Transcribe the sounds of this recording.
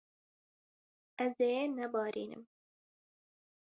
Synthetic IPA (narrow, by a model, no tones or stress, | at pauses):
ɛzeenɛbɑːɾḭːnɨ̰m